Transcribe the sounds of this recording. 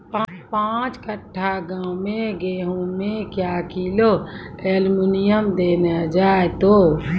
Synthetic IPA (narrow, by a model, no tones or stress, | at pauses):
papãt͡ʃkəʈʰːaɡãwmẽɡeːɦũmekjakiloeːlminijəmd̪eːned͡ʒaːet̪o